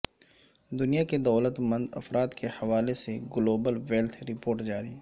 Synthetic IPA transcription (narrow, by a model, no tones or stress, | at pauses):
d̪ʊnijaked̪ɐːlət̪mɐ̃nd̪ɐ̰fɾaːd̪kʰehɐʋaːleseɡʊloːbəlʋeːlt̪ʰɾɪpoːɾʈd͡ʒaːɾi